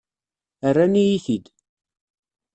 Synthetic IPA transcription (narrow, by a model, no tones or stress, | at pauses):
ərːanijiθid̪